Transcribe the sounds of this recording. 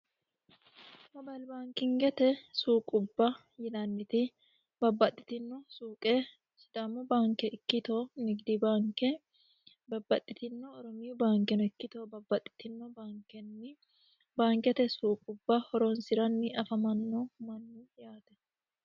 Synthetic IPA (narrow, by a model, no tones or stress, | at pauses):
mɐbɐlbaːŋkɪŋɡɛt̪ɛsuːkʼʊbːɐ | jɪnɐnːɪt̪ɪ | bɐbːɐt̪ʼːɪ̥t̪ɪnːɔsuːkʼeː | sɪd̪ɐmːɔbaːŋkɛʔɪkːɪt̪oːnɪɡd̪ibaːŋkɛ | bɐbːɐt̪ʼːɪt̪ɪnːɔːɾɔmɪjʊbaːŋkɛnɛkːɪt̪oːbɐbːɐt̪ʼːɪ̥t̪ɪnːɔbaːŋkɛnːɪ | baːŋkɛt̪ɛsuːkʼʊbːɐhɔɾoːnsɪɾɐnːɪɐfɐmɐnːomɐnːɪɪjaːt̪ɛ̥